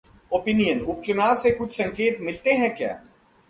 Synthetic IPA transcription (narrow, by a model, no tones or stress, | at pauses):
oːpinijənʊp̚t͡ʃʊnaːɾsekʊt͡ʃʰsɐ̃ŋkeːt̪mɪlt̪eɦɛ̃kja̰ː